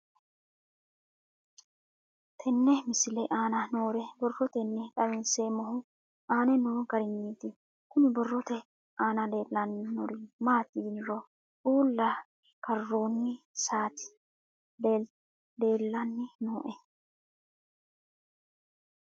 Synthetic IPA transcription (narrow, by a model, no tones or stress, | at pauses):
t̪ʰɛnːɛmɪsɪlɛʔaːnɐnoːɾɛbɔrːɔt̪ɛnːɛᶑʼɐmɪnseːmɔɦʊ | ʔaːnɛnoːɡɐɾɪɲːiːt̪ɪ | kʊnɪbɔrːɔt̪ɛ | ʔaːnɐd̪e̞ːlːɐnːɪnɔɾɪmaːt̪ɪɡɪnɾɔ | ʔuːlːɐ | kɐrːoːnːɪsaːt̪ɪ̥ | de | d̪e̞ːlːɐnːɪnoːʔɛ